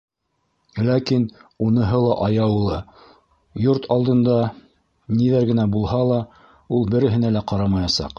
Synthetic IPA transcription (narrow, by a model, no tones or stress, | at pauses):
lækinunɤ̆ɦɤlˠɑʔɑjɑwlˠɤ | juɾt̪ʰɑlˠd̪ɤ̆nd̪ɑ | niðæɾɡɘ̆næbulˠhɑlˠɑ | ulˠbɘ̆ɾɘ̆ɦɘ̆nælæqɑɾɑmɑjɑsɑ̰q